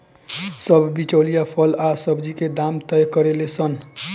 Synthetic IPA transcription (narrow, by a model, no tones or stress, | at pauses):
sʌbʱbit͡ʃolijapʰʌlasʌbd͡ʒiked̪amt̪əjkʌɾelesʌn